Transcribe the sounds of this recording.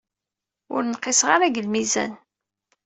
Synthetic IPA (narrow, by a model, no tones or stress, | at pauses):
ʊ̰ɾnqːɪsʁaɾaɡəlmizæ̰n